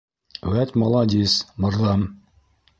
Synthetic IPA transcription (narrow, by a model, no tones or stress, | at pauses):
wæt̪ʲmɑlˠɑd̪ʲismɤ̆ɾðɑm